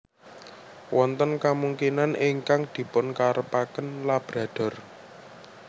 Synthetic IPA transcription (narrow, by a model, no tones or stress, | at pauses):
wɔnt̪ənkamuŋkinanʔiŋkaŋd̪̥i̤pʊnkaɾəpakənlab̥ɾa̤d̪̥ɔ̤r